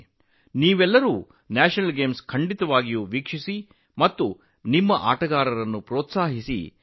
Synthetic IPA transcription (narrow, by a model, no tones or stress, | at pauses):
niːʋɛlːɐɾuː | naːʃɐnɐlɡeːmskʰɐɳɖit̪ɐʋaːɡijuːʋikʂisi | mɐt̪ːu | nimːɐʔa̰ːʈɐɡaːɾɐɾɐnːupɾɔːt̪saːɦisḭ